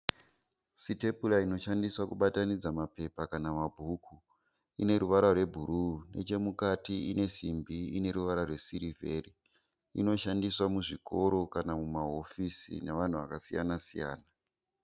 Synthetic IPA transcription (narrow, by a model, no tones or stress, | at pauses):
site̞pulaino̞ʃandiswakuɓatanid͡zamape̞pakanamabʱukʰu | ine̞ɾuʋaɾarwe̞bʱuɾune̞̰t͡ʃe̞mukatiine̞simbiine̞ɾuʋaɾarwe̞siɾive̞ri | ḭno̞ʃandiswamuʐiko̞ɾo̞kanamumaɦo̞fisḭneʋan̤uʋa̰kasija̰nasija̰ːna